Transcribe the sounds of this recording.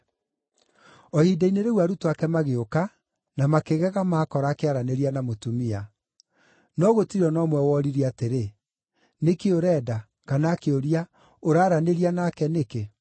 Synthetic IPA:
ɔhidaineɾeɣwaɾutowakɛmaɣeoka | namakeɣɛɣamaːkɔɾaːkeaɾaneɾianamotumia | nɔɣotiɾɔnɔmwɛwɔɾiɾiateɾe | nekeoɾɛːda | kanaːkeoɾia | oɾaːɾaneɾianakɛneke

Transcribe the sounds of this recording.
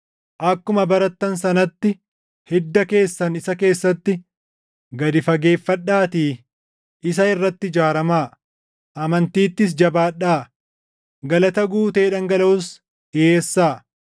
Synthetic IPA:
ʔɐkːʊmɐbɐɾɐt̪ːɐnsɐnɐt̪ːɪ | hɛd̪ːɐke̞ːsːɐnɪsɐke̞ːsːɐt̪ːɪ | ɡɐd̪ɪfɐɡe̞ːfːɐᶑːaːt̪iː | ʔɪs̬ɐɪrːɐt̪ːɪd͡ʒaːɾɐmaː | ʔɐmɐnt̪iːt̪ːɪs̬d͡ʒɐbaːᶑaː | ɡɐlɐt̪ɐɡuːt̪eːᶑɐŋɡɐlɐʊs | eːsːaː

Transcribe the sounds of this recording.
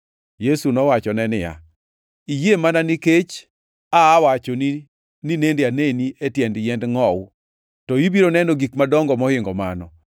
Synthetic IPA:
jesunɔwat͡ʃɔnɛnɪja̰ | ijemananɪket͡ʃ | aːwat͡ʃoni | ninendeaneniʔetjɛndjɛndŋɔw | tɔibiɾonɛnoɡikmadɔŋɡɔmɔhɪŋɡɔma̰nɔ

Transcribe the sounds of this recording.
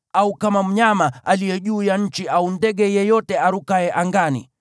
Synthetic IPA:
aukamam̩ɲamaalijɛʄuːjaɲ̩t͡ʃiʔaundɛɠɛjɛjɔtɛaɾukaɛʔaŋɡanḭ

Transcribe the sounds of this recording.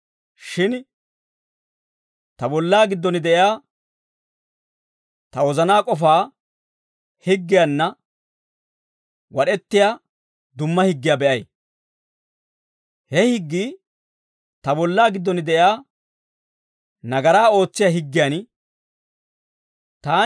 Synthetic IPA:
ʃɪn | t̪ɐbɔlːaːɡɪd̪ːɔnɪd̪ɛʔɪjaː | t̪ɐwɔzɐnaːkʼɔfaː | hɪɡːɪjanːɐ | wɐɗɛt̪ːɪjaː | d̪ʊmːɐhɪɡːɪjaːbɛʔɐj | hɛhɪɡːiː | t̪ɐbɔlːaːɡɪd̪ːɔnɪd̪ɛʔjaː | nɐɡɐɾaːo̞ːt͡sːɪjaɦɪɡːɪjaːn | t̪aː

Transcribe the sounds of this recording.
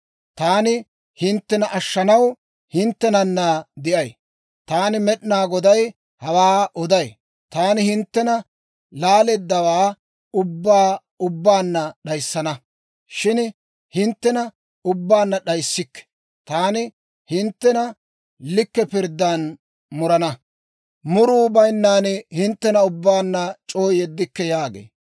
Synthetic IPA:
t̪aːnɪ | hɪnt̪ːɛnɐʔɐʃːɐnɐw | hɪnt̪ːɛnɐnːɐd̪ɪʔɐj | t̪aːnɪmɛɗnaːɡɔd̪ɐj | hɐwaːʔɔd̪ɐj | t̪aːnɪhɪnt̪ːɛnɐ | laːleːd̪ːɐwaː | ʊbːaː | ʊbːaːnːɐɗɐjsːɐnɐ | ʃɪn | hɪnt̪ːɛnɐ | ʊbːaːnːɐɗɐjsːɪkːɛ̥ | t̪aːnɪ | hɪnt̪ːɛnɐ | lɪkːɛpɪɾd̪ːaːn | mʊɾɐnɐ | mʊɾuːbɐjnːaːnɛhɪnt̪ːɛnɐʊbːaːnːɐt͡ʃʼoːjɛd̪ːɪkːɛjaːɡḛː

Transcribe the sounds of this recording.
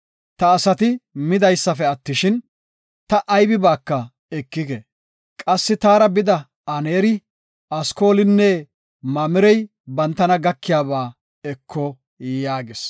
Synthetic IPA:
t̪ɐːsɐt̪ɪmɪd̪ɐjsːɐfɛɐt̪ːɪʃɪn | t̪ɐʔɐjbɪbaːkːɐ | ɛkːɪkɛ | kʼɐsːɪt̪aːɾɐbɪd̪ɐ | ɐneːɾɪ | ɐsko̞ːlɪnːɛ | mɐmɪɾɛj | bɐnt̪ːɐnɐɡɐkːɪjaːbaː | ɛkʰːɔ | jaːɡɪs

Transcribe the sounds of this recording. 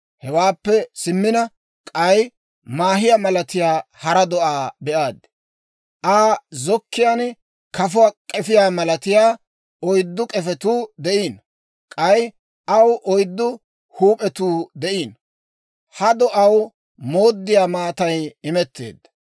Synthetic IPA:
hɛwaːpːɛsɪmːɪnɐ | kʼɐj | maːɦɪjamɐlɐt̪ɪjaːhɐɾɐd̪ɔʔaːbɛʔaːd̪ | ʔaːzɔkːɪjan | kʰɐfʊwakʼɛfɪjaːmɐlɐt̪ɪjaː | ɔjd̪ːʊkʼɛfɛt̪uːd̪ɛʔiːn | kʼɐj | ʔɐwʔɔjd̪ːʊ | huːpʼɛt̪uːd̪ɛʔiːn | hɐd̪ɔʔɐw | moːd̪ːɪjaːmaːt̪ɐjɪmɛt̪ːḛːd̪ɐ

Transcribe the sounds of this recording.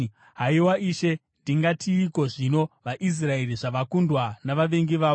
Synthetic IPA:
ɦaiwaʔiʃe̞ | ndiŋɡatʰiːko̞ʐino̞ʋaʔis̬rae̞riʐaʋakundwanaʋaʋe̞ŋɡiʋaː

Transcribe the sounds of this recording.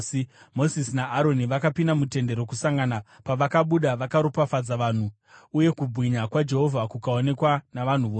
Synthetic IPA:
mo̞sisnaːɾo̞niʋakapindamute̞nde̞ɾo̞kusaŋɡana | paʋakaɓuɗaʋakaɾopafad͡zaʋan̤u | uje̞kubʱwiɲakwad͡ʒe̞ɦo̞vʱakukaone̞kwanaʋan̤uʋoː

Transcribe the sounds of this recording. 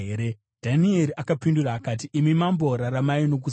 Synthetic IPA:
eɾe | d̥ʱanieɾiʔakapinduraːkat̬iʔimimambo̞ɾaramaino̞k̬u

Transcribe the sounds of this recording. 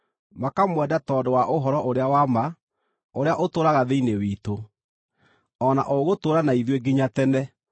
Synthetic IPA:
makamwɛdatɔːdowaʔoɦɔɾɔʔoɾeawama | oɾeaʔotoːɾaɣaðeinewiːto | ɔna̰ʔoɣotoːɾanaiðweɡiɲatɛnɛ

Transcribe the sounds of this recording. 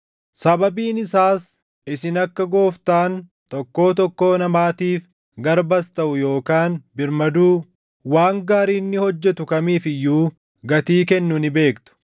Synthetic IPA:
sɐbɐbiːnɪsaːs | ɪsɪnɐkːɐɡo̞ːft̪aːn | t̪ɔkːo̞ːt̪ɔkːo̞ːnɐmaːt̪iːf | ɡɐɾbɐst̪ɐʔʊjo̞ːkaːnbɪɾmɐd̪uː | waːŋɡaːɾiːnːɪhɔd͡ʒːɛt̪ʊkɐmiːfɪjːuː | ɡɐt̪iːkɛnːʊnɪbe̞ːkt̪ʊ̥

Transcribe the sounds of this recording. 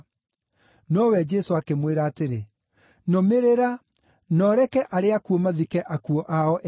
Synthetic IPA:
nɔwɛd͡ʒɛsoakemweɾaːteɾe | nɔmeɾeɾa | nɔɾɛkɛʔaɾeakuɔmaðikɛʔakuɔʔaɔʔ

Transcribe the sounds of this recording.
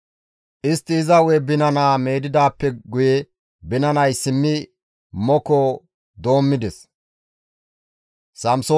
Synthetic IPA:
ʔɪst̪ːɪːzɐwɛbɪnɐnaːme̞ːd̪ɪd̪aːpːɛɡʊjɛ | bɪnɐnɐjsɪmːɪ | mɔkɔ | d̪o̞ːmːɪd̪ɛs | sɐmso

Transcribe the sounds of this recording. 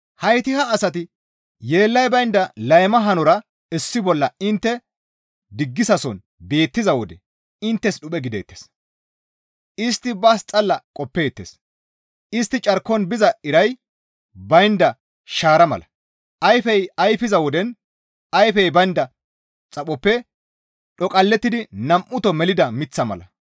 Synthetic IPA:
hɐjt̪ɪhɐːsɐt̪ɪ | jeːlːɐjbɐjnd̪ɐlɐjmɐɦɐnɔɾɐ | ɛsːɪbɔlːɐɪnt̪ːɛ | d̪ɪɡːɪsɐsɔn | be̞ːt̪ːɪzɐwɔd̪ɛ | ɪnt̪ːɛsɗʊɓʼɛɡɪd̪ḛːt̪ːes | ɪst̪ːɪbɐst͡sʼɐlːɐkʼɔpːe̞ːt̪ːḛːs | ɪst̪ːɪt͡ʃʼɐɾkːɔnbɪzɐɪɾɐj | bɐjnd̪ɐ | ʃaːɾɐmɐ̰lɐ | ʔɐjfɛjɐjfɪzɐwɔd̪ɛn | ʔɐjfɛjbɐjnd̪ɐ | t͡sʼɐɓɔpːɛ | ɗɔkʼɐlːɛt̪ːɪd̪ɪnɐmʔʊt̪ɔmɛlɪd̪ɐmɪt͡sːɐmɐ̰lɐ̰

